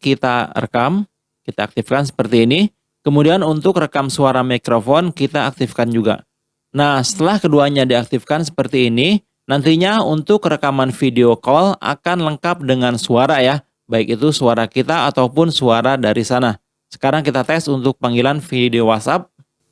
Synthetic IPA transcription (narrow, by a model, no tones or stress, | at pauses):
kit̪arə̰kam | kit̪aːk̚t̪ɪfkans̬ə̥pərt̪iːni | kəmudianunt̪ʊkrəkamsuaɾamikɾofɔnkit̪aːk̚t̪ɪfkand͡ʒuɡa̰ | nahsə̥t̪əlahkəduaɲadiak̚t̪ɪfkansə̥pərt̪iːni | nant̪iɲaunt̪ʊkrəkamanfideokɔla̰kanləŋkap̚dəŋansuaɾaja | baɪkit̪usuaɾakit̪aːt̪aupʊnsuaɾadaɾisana | sə̥kaɾaŋkit̪at̪ɛsunt̪ʊk̚paŋɡilanfideowat̪sap̚